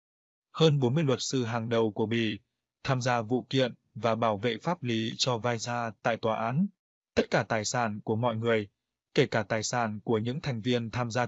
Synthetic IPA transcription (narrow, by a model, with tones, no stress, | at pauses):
həː˧nɓo˨˦nmɨ˧əjlwə˨˩t̚sɨ˧ɦaː˨˩ŋɗə˨˩wku˧˩əɓḭ˧˨ | t̪ʰaː˧mzaː˧vṵ˧˨kḭ˧˨ən | vaː˨˩ɓaː˧˩wvḛ˧˨faː˦˥p̚li˨˦t͡ɕɔ˧vaː˧jzaː˧t̪a̰ː˧˨jt̪waː˨˩ʔaː˨˦n | t̪ə˦˥t̚kaː˧˩t̪aː˨˩jsaː˧˩nku˧˩əmɔ̰˧˨jŋɨ˨˩əj | ke˧˩kaː˧˩t̪aː˨˩jsaː˧˩nku˧˩əɲɨ̰˧˥ŋt̪ʰɛ˨˩jŋ̟vi˧ənt̪ʰaː˧mzaː˧